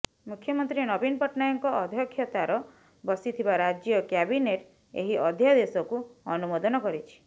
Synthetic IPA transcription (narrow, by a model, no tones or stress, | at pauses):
mukʰːjɔmɔnt̪ɾinɔbinpɔʈnajɔŋkɔʔɔd̪ʱjɔkʰjɔt̪aɾɔ | bɔsit̪ʰibaɾad͡ʒjɔkjabineʈ | ḛɦiʔɔd̪ʱjad̪esɔkuɔnumod̪ɔnɔkɔɾit͡ʃʰi̥